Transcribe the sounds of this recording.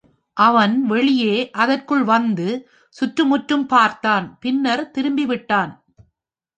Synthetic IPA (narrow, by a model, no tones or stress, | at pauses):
ʔɐʋɐnʋɛɭɪjeːʔɐðɐrkɯɭʋɐnd̪ɯ | sʊʈrɯmʊʈɾɯmpaːɾt̪aːnpɪnːɐɾt̪ɪɾɯmbɪʋɪʈːaːn